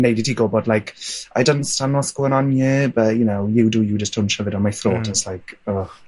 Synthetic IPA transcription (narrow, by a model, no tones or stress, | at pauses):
nejditʰiːɡɔbɔdlajkajdɔntstanwɔskuənɔnjɪbəjənowjɪwdujəd͡ʒəstʰʊnʃavɪdɔnmajθroːtʰɛtslajkɔ